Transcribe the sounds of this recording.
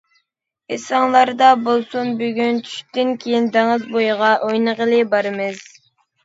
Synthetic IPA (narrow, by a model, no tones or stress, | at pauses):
esɑŋlˠɑɾd̪ɑbolˠsunbyɡʲynt͡ʃʰy̥ʃt̪ɪnkʲʰejind̪eŋɨzbojʁɑʔojnəʁəlˠɨbɑɾɨmɨz̥